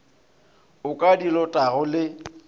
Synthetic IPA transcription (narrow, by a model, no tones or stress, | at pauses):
ʊkʼadilɔtʼaɣʊlɪ